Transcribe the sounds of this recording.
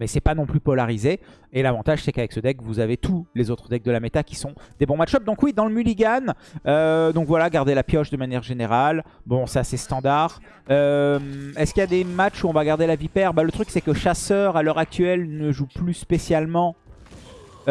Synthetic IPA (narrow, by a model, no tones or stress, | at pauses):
mɛsɛpanɔ̃plypɔlaʁize | elavɑ̃t̪aʒsɛkavɛksəd̪ɛkvuzavet̪ʰulezot̪χəd̪ɛk̚d̪əlamet̪akʲi̥sɔ̃d̪ebɔ̃matt͡ʃʃɔp̚d̪ɔ̃kwid̪ɑ̃ləmyliɡanød̪ɔ̃kvwalaɡaʁd̪elapjɔʃd̪əmanjɛʁʒeneʁalbɔ̃sasɛst̪ɑ̃d̪aʁ | ømɛskʲiljad̪emat͡ʃuɔ̃vaɡaʁd̪elavipɛʁbalət̪χyksɛkəʃasœʁalœʁak̚t̪ɥɛlnəʒuplyspesjalmɑ̃